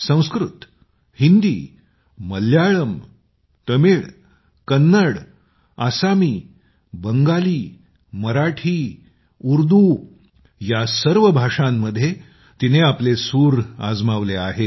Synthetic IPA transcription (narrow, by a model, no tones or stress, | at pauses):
sə̃w̃skɾut̪ | hind̪iː | məljaɭəm | t̪əmiɭ | kənːəɽ | asamiː | bəŋɡaliː | məɾaʈʰiː | uɾd̪u | jasəɾʋəbʱaʂãmːəd̪ʱːje | t̪ineaplesuːɾa̰d͡zmaʋleaɦe